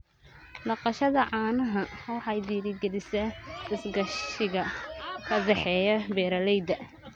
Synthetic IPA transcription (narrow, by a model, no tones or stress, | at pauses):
lɑqɑʃɐðɐʕɑːnɐɦɐhɔːħɑjd̪iːɾɪɡɛlɪsɐɪsɡɐʃɪɣɐkʰɐd̪ɛħɛːjɐbɛːɾɐlɛjd̪ɐ